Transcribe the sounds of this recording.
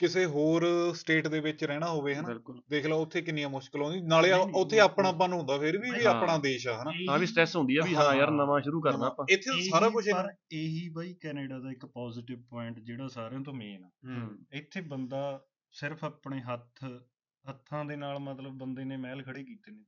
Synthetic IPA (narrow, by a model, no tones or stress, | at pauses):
kɪseːɦoːɾsʈeːʈd̪eːʋɪt͡ʃɾɛːɽ̃aːɦoːʋeːɦənaɪlkʊld̪eːkʰlaːʊt̪ʰːeːkɪnːijãːmʊʃkɪlɦõːninaːleːʊt̪ʰːeːaːpɳaːp̬ãːnũːɦʊ̃nd̪aːpʰɪɾbiːbiːaːpɳaːd̪eːʃaːɦənaːãːbiːsʈɛːsɦʊ̃nd̪iːɛːbiːãːəɾnəmãːʃʊɾuːkəɾnaːpãːɪt̪ʰːeːsaːɾaːkʊt͡ʃʰɾeːɦiːbaːiːkɛːneːɖaːd̪aːɪkpɔːzɪʈɪʋpɔːɪɳʈd͡ʒeːɽaːsaːɾãːt̪̬õːmẽːnaːɪt̪ʰːeːbənd̪aː | sɪɾəpʰaːpɳeːɦət̪ʰ | ɦət̪ʰːãːd̪eːnaːlmət̪ləbːənd̪eːneːmɛːlkʰəɽeːkiːt̪eːneː